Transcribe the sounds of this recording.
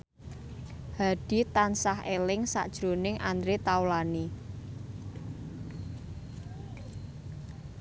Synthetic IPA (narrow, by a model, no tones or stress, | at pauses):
haɖ̥i̤t̪ansaɦelɪŋsa̰ʔd̥ʒ̥ɾo̤nɪŋʔand̪ɾet̪awlani